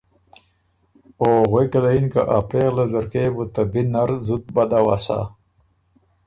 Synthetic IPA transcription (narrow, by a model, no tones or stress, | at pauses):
oɣwekɐlainka̰ʔapeːɣlazɐɾkeːbut̪abinaɾzut̪̚bad̪awasa̰